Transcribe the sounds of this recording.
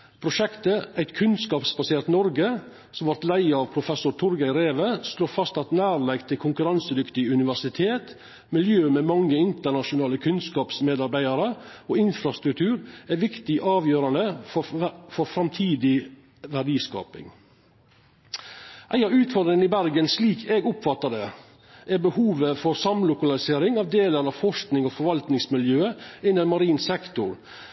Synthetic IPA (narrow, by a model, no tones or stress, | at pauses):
pʰɾʊʃɛkt̪əʔæɪt̪kʰʉnskɑːpsbɑseːɾt̪nɔɾɡə | sɔmʋɔɾt̪læɪəɑʋpʰɾʊfɛsʊɾt̪ʰʊɾɡæɪɾeːʋəsloːfɑst̪ɑt̪næːɾlɛɡt̪ʰɪlkʰʊŋkʉɾɑnsəd̪ʏkt̪ɪʉnɪʋæʂɪt̪ʰeːt̪ | mɪljøːmeːmɑŋːəɪnt̪əɳɑʃʊnɑːləkʰʉnskɑːpsmeːd̪ɑɾbæɪd̪ɑɾəoːɪnfɾɑst̪ɾʉk̚t̪ʰʉːɾæːɾʋɪkt̪ɪʔɑːʋjøːɾɑnd̪əfɔfɔɾfɾɑmt̪ʰiːd̪ɪ | ʋæɖiːskɑ̰ːpɪ̰ŋ | ʔæɪɑʉːt̪fɔɾd̪ɾɪŋənɪbæɾɡənsliːkʰeːɡʊpfɑt̪ːəɖ̪ə | ʔɛɾbəhuːʋəfɔɾsɑmlʊkɑlɪseːɾɪŋɑʋd̪eːləɾɑʋfɔʂknɪŋoːfɔɾʋɑlt̪nɪŋsmɪljøːəɪnːəmɑɾiːnsɛkt̪ʊɾ